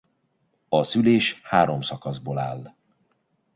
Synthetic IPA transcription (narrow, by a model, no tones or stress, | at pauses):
ɒsyleːʃhaːɾo̞msɒkɒzboːlaːlː